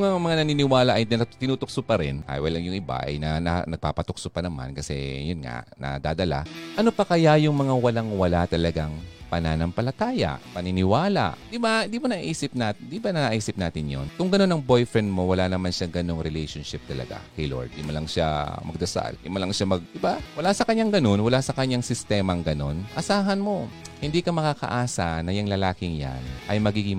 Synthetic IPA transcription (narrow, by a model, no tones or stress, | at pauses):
jʊŋɐŋmɐŋanɐninɪwaːlɐʔɐj̪ɐt̪ɪnuːt̪ʊk̚sʊpɐɾɛnka̰jwɐlɐŋjʊŋʔɪba̰ʔɐ̰jnɐna̰nɐɡ̚paːpɐt̪ʊk̚sʊpɐnɐma̰nkɐsɛ̰jʊnŋa̰ʔnɐ̰d̪aːd̪ɐla̰ʔɐnopɐkɐjajʊŋmɐŋawɐlaŋwɐlat̪ɐlɐɡaŋpɐnanɐmpɐlɐt̪aːjɐ̰ʔpɐnɪnɪwaːla̰ʔd̪ɪbaɪnd̪iːmonɐʔʔiːsɪp̚naːd̪ibɐnɐʔaʔiːsɪp̚naːt̪ɪnjo̰nkʊŋɡɐno̞nɐŋbo̞jfɹɛnd̪̚mo̞wɐlanɐmanʃaŋɡɐno̞ŋɾɛlɛjʃonʃɪp̚t̪ɐlɐ̰ɡa̰kɐjlo̰ɹd̪̚d̪imɐlɐŋʃa̰mɐɡ̚d̪ɐsa̰ld̪imolɐŋʃamɐɡ̚d̪ɪbawɐlasɐkɐɲɲaŋɡɐno̞nwɐlasɐkɐɲaŋsɪst̪ɛːmɐŋɡɐno̞nʔɐsaːɦɐnmo̞hɪnd̪iːkɐmɐkakɐ̰ʔaːsanɐjɐŋlɐlaːkɪŋja̰nʔɐjmɐɡiːɡɪŋ